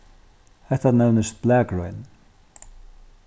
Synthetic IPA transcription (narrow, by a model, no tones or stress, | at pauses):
hɛt̪anɛvnəst̪b̥lɛːkɹɔjn